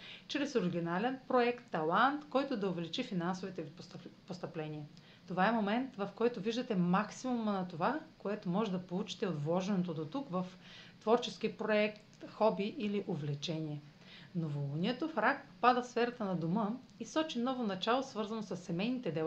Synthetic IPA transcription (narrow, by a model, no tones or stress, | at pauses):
t͡ʃɾɛsoɾiɡʲinalɛnpɾoɛkt̪ːɐlˠant̪kɔjt̪ʊd̪ɐovɛlit͡ʃifinansovit̪ɛpost̪ɐplɛnʲiɛ | t̪ovaɛmomɛnt̪vɐfkɔjt̪oviʒd̪ɐt̪ɛmaksimumnɐt̪ovakoɛt̪omɔʒɛd̪ɐpolˠut͡ʃi̥t̪ɛod̪vlˠɔʒɛnot̪od̪ot̪ukvɐf | t̪vɔɾt͡ʃɛsk̟iəpɾoɛktt̪xɔbiʔiliʔovlɛt͡ʃɛniɛ | novolˠuniɛt̪ofɾakpo̥pad̪əfsfɛɾɐt̪ənɐd̪omə | isɔt͡ʃinɔvonɐt͡ʃalˠosvɤɾzɐnosɐsːɛmɛjnit̪ɛd̪ɛlˠa